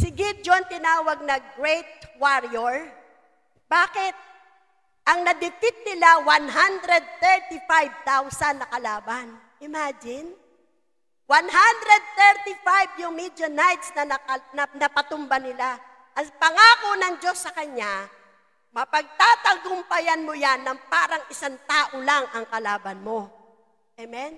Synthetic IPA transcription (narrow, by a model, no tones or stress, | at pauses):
sɪɡɪd͡ʒont̪ɪnaːwɐɡ̚nɐɡɹɛjt̪̚waɾjoɹ | baːkɪt̪̚ | ʔɐŋnɐd̪ɪpɪt̪̚nɪlawanɦand̪ɾɛd̪̚t̪ɛɹt̪ɪfajb̚t̪awsɐnːɐkɐlaːban | ʔɪmaːd͡ʒɪn | wanɦand̪ɾɛd̪̚t̪ɛɹt̪ifajbjʊŋmid̪onajt̪snɐnɐɐnɐnɐpɐt̪ʊmbanɪla | ʔɐŋpɐŋaːkonɐŋd͡ʒo̞sːɐkɐɲːa | mɐpɐɡ̚t̪aːt̪ɐɡʊmpɐjanmojanːɐŋpaːɾɐŋɪsant̪aːʔolaŋʔɐŋkɐlaːbɐnmo̞ | ʔɛmɛn